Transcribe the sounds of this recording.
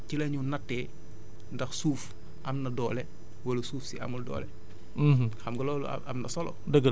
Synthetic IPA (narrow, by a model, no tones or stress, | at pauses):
cilɐɲunɐtːɛ | ndɐxsuːf | ʔɐmnɐdɔːlɛ | wɐlɐsuːfsiʔɐ̰muldɔ̰ːlɛ | mxɐmɡɐlɔːlṵ | ɐ̰mnɐsɔlɔ̰ | dəɡə